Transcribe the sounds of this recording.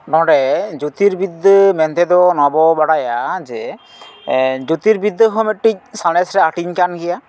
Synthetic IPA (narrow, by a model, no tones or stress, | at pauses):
nɔ̃ɖɛd͡ʒut̪iɾbid̪mɛnt̪ɛd̪ɔnɔbɔbaɽajad͡ʒɛ | d͡ʒut̪iɾbid̪ːɦɔmɛʈ̚ʈic̚sanɛsɾɛaʈiɲkanɡɛja